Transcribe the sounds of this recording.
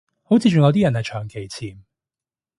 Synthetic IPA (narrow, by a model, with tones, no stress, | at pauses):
ho˨˥wt͡sʰiː˧t͡ʃʊ˨ŋjɐ˨˧wt̪iː˥jɐ˨˩nhɐ˨jt͡ʃʰœː˨˩ŋke˨˩jt͡sʰiː˨˩m